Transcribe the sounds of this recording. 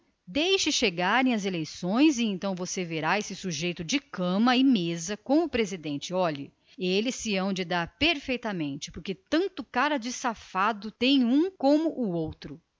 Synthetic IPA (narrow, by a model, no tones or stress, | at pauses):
d̪ejʃɪʃeɡaɾẽj̃ɐzelejsõj̃zɪẽnt̪ɐ̃w̃voseveɾaesɪsuʒejt̪ʊd͡ʒɪkɐ̃mɐɪmezɐkõʊpɾezid̪ẽnt͡ʃɪɔʎɪ̰ | elɪsːɪɐ̃w̃d͡ʒɪd̪aɾpeɾfejt̪ɐmẽnt͡ʃɪ̥pʊɾket̪ɐ̃nt̪ʊkaɾɐd͡ʒɪsafad̪ʊt̪ẽj̃ũkõmʊʔʊowt̪ɾʊ